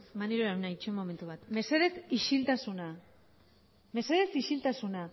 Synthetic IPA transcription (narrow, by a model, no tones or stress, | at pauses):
maneɾoɾanait͡ʃemo̞me̞nt̪uβat̪me̞se̞ðe̞siʃilt̪asuna | me̞se̞ðe̞siʃilt̪asuna